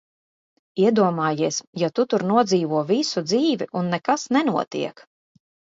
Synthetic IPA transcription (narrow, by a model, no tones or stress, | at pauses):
iɛd̪uɔmaːjiɛsjat̪ut̪uɾnuɔd̪ziːvuɔvisud̪ziːviʔunːɛkasnɛnuɔt̪ḭɛk